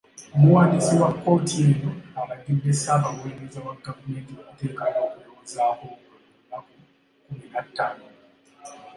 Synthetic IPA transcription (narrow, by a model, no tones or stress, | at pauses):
omuwaːndisiwakːo̞ːtienoaβadibesaːβaɣeːnezawaɡavume̞ːntiokute̞ːkanoːkuloːzaːho | ma | kuminatːaːno